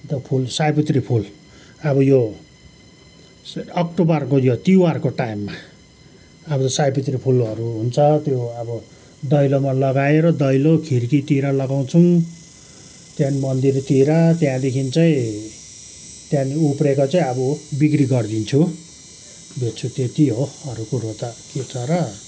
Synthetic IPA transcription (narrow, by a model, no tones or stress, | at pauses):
t̪ʌpʰulsajpit̪ripʰul | ʌbʌjo | ʌkʈobʌrkojot̪iwarkoʈajimːa | ʌbʌt̪ʌsajpit̪ripʰulʌɾuɦunt͡sʰʌt̪joʌbʌ | d̪ʌjlomalʌɡaeɾʌd̪ʌjlokʰirkit̪iɾalʌɡaw̃t͡sʰu | t̪jãnimʌnd̪irt̪iɾat̪jãd̪ekʰint͡saĩ | t̪jãniuprekot͡saĩʌbʌbikriɡʌrd̪int͡sʰu | b̪et̪t͡sʰut̪et̪iɦoʌɾukoɾot̪akit͡sʰʌɾʌ